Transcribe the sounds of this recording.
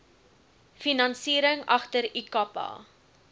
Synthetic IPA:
finɐnsiːɾəŋɐχtəɾikɐpɑ̰ː

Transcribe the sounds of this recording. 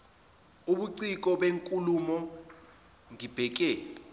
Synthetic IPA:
uɓuǀik̬ʼɔɓeŋkʼulumɔ | ŋib̥ʱɛk̬ɛ

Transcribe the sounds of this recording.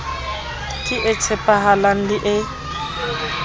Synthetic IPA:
kʼɪʔet͡sʰɛpʼaɦalan̩diʔɪ

